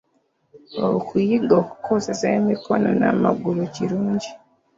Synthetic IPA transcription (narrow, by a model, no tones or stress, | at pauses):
oβkʰujiɡoːku̥kʰosezeemikono̞na̰maɡuɾuciɾuːɲɟi